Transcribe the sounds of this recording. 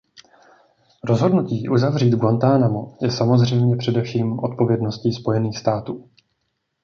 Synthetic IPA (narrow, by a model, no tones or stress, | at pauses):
ɾo̞zɦo̞dnuciːʔuzavriːd̪ɡwant̪aːnamojɛsamo̞zr̝ɛjmɲɛpr̝̥ɛdɛfʃiːmʔo̞t̪̚po̞vjɛdno̞sciːspo̞jɛniːxst̪aːt̪uː